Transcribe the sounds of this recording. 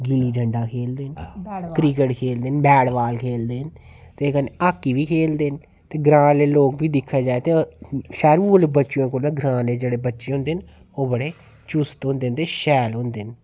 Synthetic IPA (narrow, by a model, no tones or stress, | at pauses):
ɡiliːɖəɳɖaːkʰeːld̪eːnkɾiːkəʈkʰeːld̪eːnbɛːɽʋaːlkʰeːld̪eːn | t̪ekəneaːkːiːʋiːkʰeːld̪eːn | t̪eːɡɾãːleːloːkbiːd̪ɪkʰːaːd͡ʒaːet̪eʃɛːɾulebətːʃõːkoːlãːɡɾãːleːd͡ʒeːɽeːbətːʃeːɦʊ̃nd̪eːn | oːbəɽeː | t͡ʃust̪ɦʊ̃nd̪eːnt̪eʃɛːlɦʊ̃nd̪eːn